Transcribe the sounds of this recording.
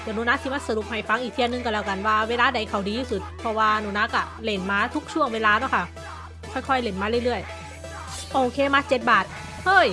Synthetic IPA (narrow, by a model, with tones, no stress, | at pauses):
dɛː˧˩nuː˧˦naː˧˥t̪ʰiː˧˨maː˧˥˨sa˧ɾu˨˩p̚ha˨˩jfa˧˥ŋʔiː˨˩k̚t̪ʰnːɯ˧ŋka˧˩lɛː˧˩wka˨˩nwaː˧weː˧laː˧da˨˩˦jkʰa˨˩wdiː˨˧juː˧su˧˦t̪̚pʰɔ˧waː˧nuː˧˦naː˧˥ka˧˩le˧˩nmaː˧t̪ʰu˦˥k̚t͡ɕʰu˧˥˩əŋweː˧laː˧nɔ˧˥˨kʰa˧˩ | kʰɔː˧˥˩jkʰɔ˧˩jle˧˩nmaː˧lɯ˧˨jlɯ˧˩əj | ʔoː˧kʰeː˧maː˧˥t͡ɕe˨˧˦t̪̚baː˨˩t̪̚ | hɤː˧˥˩j